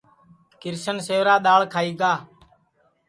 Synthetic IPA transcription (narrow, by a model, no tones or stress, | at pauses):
kɪɾsənseːʋɾaːɗ̪aːɭkʰaːiːɡaː